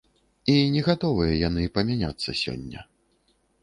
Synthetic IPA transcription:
inʲɛɣat̪ɔvɨjɐjanɨpɐmʲanʲa̰t̪sːɐ̰sʲɔ̰nʲːɐ̰

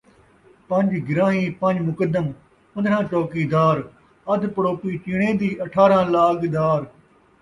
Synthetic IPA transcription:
pə̃ɲd͡ʒɡɪɾãːɦĩːpə̃ɲd͡ʒmʊkəd̪əm | ʊd̪ɽãːt͡ʃɔːkiːd̪aːɾ | əd̪pəɽoːpiːt͡ʃɪɽẽːd̪iːʔəʈʰaːɾãːlaːkd̪aːɾ

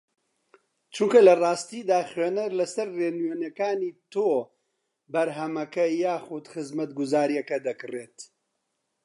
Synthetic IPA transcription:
t͡ʃuŋkɐlɐrˤɑːst̪iːd̪aːχɥeːnɐɾlɐsɐɾːeːnɥenɐkaːniːt̪oː | bɐɾɦɐmɐkɐjaːxud̪xɨzmɐt̪ɡuzaːɾijɐkɐd̪ɐkɨreːt̪

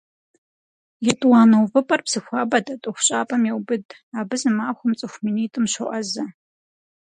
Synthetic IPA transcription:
jɛtʼwaːnɐwvɨpʼɐrpsɨxʷaːbɐtʼɐtʼɨxʷʊɕʼaːpʼɐmjɛwbɨdʼ | aːbɨzɨmaːxʷʊmt͡sʼɨxʷminiːtʼɨmɕʷʊʔʼɐzɐ

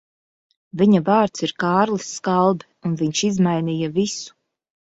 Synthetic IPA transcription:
viɲavaːɾt̪siɾkaːɾlˠisːkalˠbi | unviɲʃizmajnijɐvisu̥

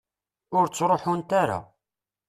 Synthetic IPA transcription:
ʊɾt͡sːɾˤoħunt̪aɾa̰

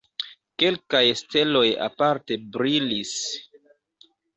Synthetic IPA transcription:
ke̞lkajste̞lo̞ja̰paɾte̞bɾilis

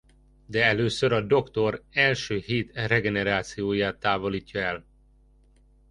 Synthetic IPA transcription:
d̪ɛɛløːsøɾɒd̪o̞kt̪o̞rɛlʃøːɦiːt̪rɛɡɛnɛɾaːt̪sijoːjaːt̪ːaːvo̞liːcːɒɛl

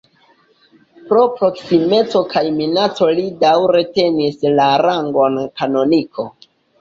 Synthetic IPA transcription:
pɾo̞pɾo̞ksime̞t͡so̞kajminat͡so̞lidawɾe̞te̞nislaɾaŋɡo̞nkano̞nikʰo̞

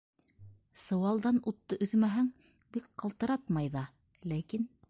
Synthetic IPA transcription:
sɤ̆wɑlˠd̪ɑnut̪ːɤʔɵ̆ðmæɦæŋ | bik̚qɑlˠt̪ɤ̆ɾɑt̪mɑjðɑ | lækin

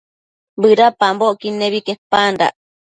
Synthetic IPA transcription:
bɨɾapamboʔkinːeβikehpanɾa̰ʔ

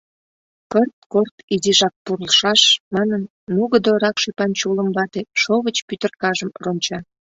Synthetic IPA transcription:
pərt̪̚kort̪iziʒɑk̚purlʃɑʃmɑnənːuɣəd̪oɾɑkʃepɑnt͡ɕuləmβɑt̪eʃoβət͡ɕpyt̪ərkɑʒəmronʲt͡ɕɑ

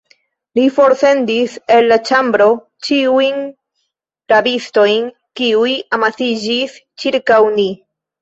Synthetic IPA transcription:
lifo̞ɾse̞ndise̞lːat͡ʃambɾo̞ | t͡ʃiujn | ɾabisto̞jn | kiujamasid͡ʒist͡ʃiɾkawni

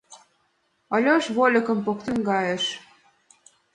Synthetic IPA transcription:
ɑlʲoʃβolʲɤ̆kɤ̆mpokt̪ə̆nɡɑjĕʃ

